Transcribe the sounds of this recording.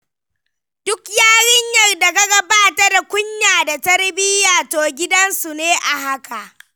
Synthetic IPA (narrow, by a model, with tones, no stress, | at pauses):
dʊ˦kjaː˦ɽɪ˦ɲjɐ˨rda˨ɡa˦ɡɐ˦baː˦tɐ˦rkʷʊ˦ɲjaː˨da˨tɐ˦rbɪ˦jaː˨toː˨ɡʲɪ˦dɐ˦nsu˨neː˦ʔa˨ɦa˦ka˨ʔ